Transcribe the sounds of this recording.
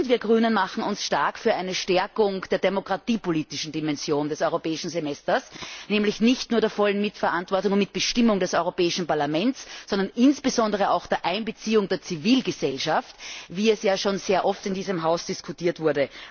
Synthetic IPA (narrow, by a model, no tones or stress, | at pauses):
ntviːɐɡʁyːnənmaχn̩ʊnsʃtaɐkfyːɐʔæɪnəʃtɛɐkʊŋd̥eːɐdemokʁ̥atiːpoliːtɪʃn̩dimɛnz̥joːndɛsɔʏʁopɛːɪʃn̩zemɛstɐsnɛːmlɪçnɪçtnuːɐdeːɐfɔlənmɪtfɐʔãntv̥ɔɐtʊŋʊntmɪt̚b̥əʃtɪmʊŋdɛsɔʏʁopɛːɪʃn̩paɐlamɛntssːɔndɐnʔɪnsb̥əzɔ̃ndəʁ̞əaʊxd̥eːɐʔaɪnbət͡siːʊŋdeːɐt͡siviːlɡəzɛlʃaftviːɛsjaːʃoːnz̥eːɐʔɔftɪndiːzəmɦaʊsd̥iskʰʊtiːɐtv̥ʊɐdə